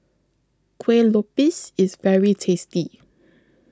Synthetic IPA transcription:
kʰwelɔpɪsɪzvɛɹitʰesti

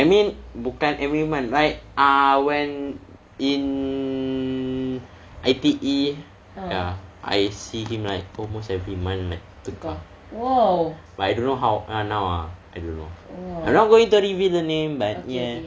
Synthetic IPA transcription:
ʔajmĩnbukãnʔɛvɹimãnlajk̚ʔawɛ̃n | in | ʔajt̪iʔi | jjaʔa̰jsihĩmlaɪk̚ɔlmostɛvɹimãnlak̚t̪ukə | batajdõnːoɦawʔanawa̰ajdõnːo̰aãjmnɔt̚ɡoĩŋtuɹivildənẽmbatjɛ

